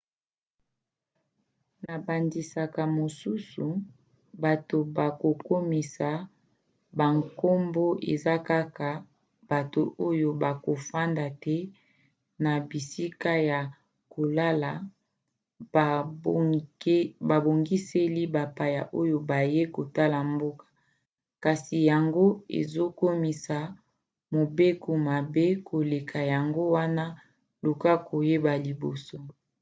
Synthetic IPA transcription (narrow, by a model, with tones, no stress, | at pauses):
na˨ba˨ndi˨sa˨ka˨mo˨su˦su˨ | ba˨to˨ba˨ko˨ko˦mi˨sa˨ | ba˨ŋko˦mbo˦ʔḛ˨za˦ka˦ka˨ | b̥a˨to˨ʔo˦jo˦ba˨ko˨fa˦nda˨tɛ˦ | na˨bi˨si˦ka˦ja˨ | ko˨la˦la˨˦ | ba˨bo˨ŋɡi˦se˦li˦ba˨pa˨ja˨ʔo˦jo˦ba˨je˦ko˨ta˦la˨mbo˦kḁ˨ | ka˨si˨ja˨ŋɡo˦ḛ˨zo˦ko˦mi˨sa˨ | mo˨be˦ko˨ma˨be˦kʰo˨le˨kʰa˨ja˨ŋɡo˦wa˦na˦ | lu˨ka˦kʰo˨je˦ba˨li˨bo˨so˦